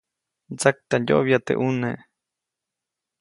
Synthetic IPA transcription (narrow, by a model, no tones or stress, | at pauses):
d͡zak̚t̪ajo̰ʔβjat̪ḛʔuneʔ